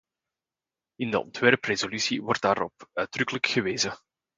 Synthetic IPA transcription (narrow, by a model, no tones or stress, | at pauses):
ɪndə̰ɔ̰ntʋɛrprezolysiʋɔrt̚daːɾɔ̰p̚œɥdrʏkələkxəʋeːzə